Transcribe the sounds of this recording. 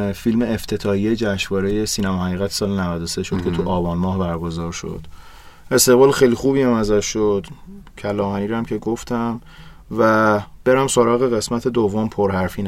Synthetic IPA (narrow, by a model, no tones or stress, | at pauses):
filmeːft̪ʰe̞t̪ʰɒːhijed͡ʒæʃvɒːɾe̞jesiːnæmɒːhæɣiːɣæt̪sɒːlenævæd̪ose̞ʃod̪̥kcʰe̞t̪ʰuʔɒːbɒːnmɒːhbæɾɡo̞zɒːɾʃo̰d̪̥ | e̞st̪e̞ɣbɒːlxejlixuːbiæmæzæʃːod̪̥cʰælɒːmhæniːɾæmcʰe̞ɡoft̪æm | væb̥e̞ɾæmsoɾɒːɣeɣe̞smæt̪ʰe̞d̪ovːompʰoɾɦæɾfiːn